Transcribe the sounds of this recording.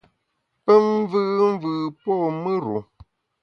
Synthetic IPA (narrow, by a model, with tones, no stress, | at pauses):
pə˦m˦vɨ˦m̩˦vɨ˨pɔ˦˨mɨ˦ɾṵ˨